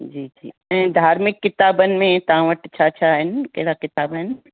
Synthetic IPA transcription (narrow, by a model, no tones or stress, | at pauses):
d͡ʒiːd͡ʒḭː | ɛ̃ːd̪ʱaːɾmɪkːɪt̪aːbənɪ̆mẽt̪ɐɦãʋəʈt͡ʃʰaːt͡ʃʰaːɦɪnkɐɦɽakɪt̪aːbɦɪnɪ